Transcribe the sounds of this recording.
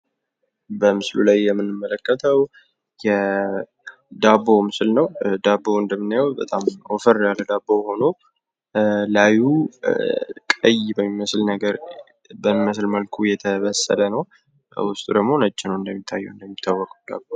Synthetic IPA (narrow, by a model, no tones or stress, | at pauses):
bəmɨslulajːɛmːɨnːɨmːələkːət̪ʰəw | jɛ | d̪abo̞mɨslnəwd̪abːoɨnd̪əmːɨnːajɔbət̪ʼamofəɾjalːəd̪abːoho̞no̞ | laju | kʼəjbəmːiməslnəɡəɾ | bəmːiməs̬lməlkʰujɛt̪ʰəβəsːə̰lənəw | wʊst̪ʼud̪əɡmo̞nət͡ʃːɪnəwɨnd̪əmːit̪ʰːajːɛ̰wɨnd̪əmːit̪ʰːawːɔkʼud̪a̰bo